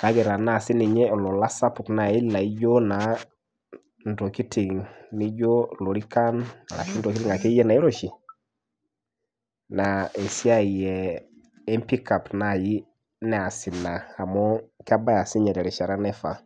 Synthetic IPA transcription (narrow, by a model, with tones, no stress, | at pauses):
ka˨˦kɛ˨ɾa˨na˦˨si˦ni˨ɲɛ˦ɔ˨lɔ˨la˦sa˦pu˨kna˨i˦la˨i˦d͡ʒo˦na˨ | n˨to˨ki˦ti˨ŋni˦d͡ʒo˦lo˨ɾi˦ka˦n̰˨la̰˨ʃi˦n˦do˨ki˦ti˦ŋa˨kɛ˦jɛ˦na˨i˦ɾo˦ʃi˨ | na˨ɛ˨si˦a˦i˨jɛ˨ | ɛ˦mpi˦ka˨pna˨ji˦ | nɛ˦a˨si˨na˨a˨mɔ˦ka˦ba˦ja˨si˦ɲɛ˨ɾɛ˨ɾɛ˨ʃa˨ɾa˦nɛ˦fa˨